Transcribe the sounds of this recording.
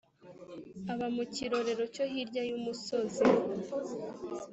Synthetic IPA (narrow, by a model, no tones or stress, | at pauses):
aβamuciɾo̞ɾe̞ɾo̞co̞ɦiɾɟajumuso̞zi